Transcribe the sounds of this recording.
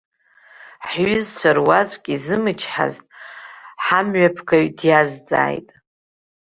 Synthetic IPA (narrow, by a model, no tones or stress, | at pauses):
ħɥʏzt͡ɕʷʰarwat͡sʷʼkʲʼizɨmɨt͡ʃʰħa̰ztʼħamɥapʰkʰaɥdjazd͡zʼa̰ːjtʼ